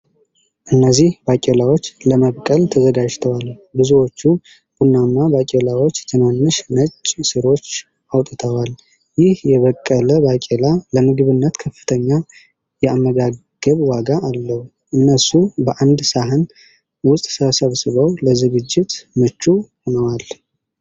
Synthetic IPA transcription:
ʔɨnːəzːihbakʼelawo̞t͡ʃːləməβkʼəlt̪ʰəzəɡad͡ʒt̪ʰəwalbɨzuwo̞t͡ʃːu | b̥unːanːabakʼelawo̞t͡ʃːt̪ʰɨnanːɨʃnət͡ʃʼːsɨɾo̞t͡ʃː | ʔawt̪ʼɨt̪ʰəwal | jɪhjɛβəkʼːələbakʼelaləmɨɡɨβɨnːət̪kʰəfɨ̥t̪ʰəɲːa | jɛamːəɡaɡ̥əβwaɡaʔːlːəhu | ʔɨnːəsubəʔand̪saɦɨn | wʊst̪ʼsəβəsəβsɨβəwləzɨɡɨd͡ʒːɪt̪mɨt͡ʃːuhonəwal

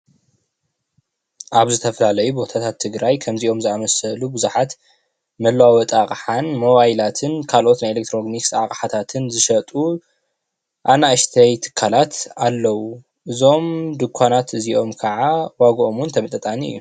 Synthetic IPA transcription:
ʔaβzɨt̪ʰɐfɐlalɐjubo̞t̪ʰat̪ʰat̪ʰːɨɡɾajkʰɐmziʔo̞mzɨamɐsɐlubɨzuħat̪ | mɐlwawɔt̪ʼakʼħanmo̞βajlat̪ʰɨnkʰalʔo̞t̪najelek̚t̪ʰɾo̞ɡniksa̰kʼħat̪ʰat̪ʰɨnzɨʃɐt̪ʼu | ʔanaɨʃt̪ʰɐjt̪ʰɨ̥kʰːalat̪alːɐwu | ʔɨzo̞md̪ɨkʷʰːanat̪ɨziʔo̞mkʰɐʕawaɡʔo̞munt̪ʰɐmɨt̪ʼɨt̪ʼaniɨ̰jːu

